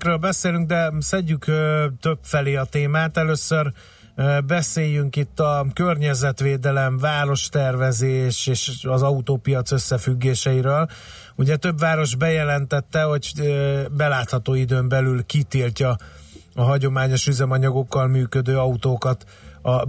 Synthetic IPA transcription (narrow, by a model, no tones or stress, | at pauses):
krøːlbɛseːlyŋɡ̚d̪ɛsɛɟːykøt̪ø̞bfɛleːɒt̪eːmaːt̪ɛløːsːør | bɛseːjyŋkit̪ːɒkørɲɛzɛt̪ʋeːd̪ɛlɛɱvaːɾo̞ʃt̪ɛrvɛzeːʃeːʃɒzɒut̪oːpijɒt̪sø̞sːɛfyɡːeːʃɛiɾøːl | uɟɛt̪ø̞bʋaːɾo̞ʒbɛjɛlɛnt̪ɛt̪ːɛho̞ɟbɛlaːt̪hɒt̪oːid̪øːmbɛlylkit̪ilcɒ | ɒɦɒɟo̞maːɲo̞ʃyzɛmɒɲɒɡo̞kːɒlmyːkød̪øːɒut̪oːkɒt̪ | ɒ